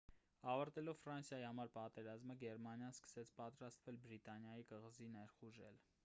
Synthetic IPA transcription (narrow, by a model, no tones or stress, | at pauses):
ɑvɑɾt̪ɛlɔvfɾɑnsjɑjihɑmɑɾpɑt̪ɛɾɑzməɡɛɾmɑnjɑnskə̥sɛt͡sʰpɑt̪ɾɑst̪vɛlbɾit̪ɑnjɑjikəʁəzinɛjɾχuʒɛ̰l